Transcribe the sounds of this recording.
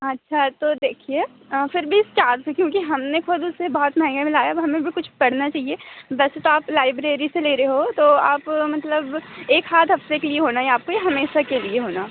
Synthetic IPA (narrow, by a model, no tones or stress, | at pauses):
ɐtːʃʰat̪oːd̪eːkʰie | fɪɾbʱiɪst͡ʃaːɾsekjõːkiɦɐmnexʊd̪ʊsebɔɦɔt̪mɛɦɛ̃ŋɡamɪ̃laːjaɦɐmẽbʱikʊt͡ʃʰpɐɽnat͡ʃaːɦieʋɛːset̪oaːplaːɪbɾeːɾiseleːɾɐɦeɦot̪oaːpmɐt̪ləbeːksaːt̪ɦɐft̪ekelieɦoːnaɦeaːp̚kojeɦɐmeːʃakelieɦoːnaː